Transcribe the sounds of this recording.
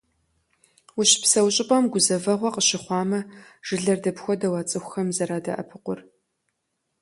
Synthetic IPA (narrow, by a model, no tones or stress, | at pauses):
ʊɕpsɐwɕʼɪpʼɐmɡʷʊzɐvɐʁʷɔqəɕɪχʷɑːmɐʒ̥ɨɮɐrdɐpxʷɔdɐwat͡sʼɨxʷxɐmzɐɾaːdɐ̰ʔɐ̰pʰɨqʷʊr